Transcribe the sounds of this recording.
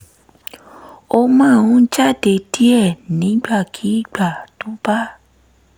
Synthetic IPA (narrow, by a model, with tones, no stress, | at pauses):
o˦mã˦˨wũ˦d͡ʒa˦˨de˨ti˦ɛ˦˨nĩ˨˦ɡ͡ba˦˨kʰi˨˦ɡ͡ba˦˨tu˦pa˦